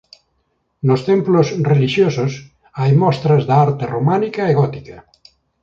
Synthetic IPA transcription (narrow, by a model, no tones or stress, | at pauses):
nost̪emplosreliʃjosos | ajmɔst̪ɾazðaaɾt̪eromanikaeɣɔt̪i̥ka